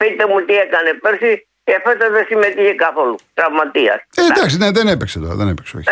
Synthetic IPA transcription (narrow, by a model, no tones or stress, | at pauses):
pit̪emut̪iekɐnepeɾsi | efet̪ɐðesimet̪içekɐθolut̪ɾɐvmɐt̪iɐ̰sed̪ɐksineðenepekset̪oɾɐ̰ðenepekseoç